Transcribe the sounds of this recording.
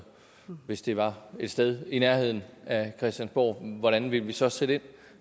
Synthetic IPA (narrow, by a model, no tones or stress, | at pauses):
ʋe̝sd̥e̝ʋɑ̈e̝d̥sd̥eð̞ˠinæɐhe̝ð̞̰ˠn̩ækʰʁɛsd̥jænsb̥ɒ̰ːʋɒɾænʋiləʋisɒ̽sed̥e̝n̰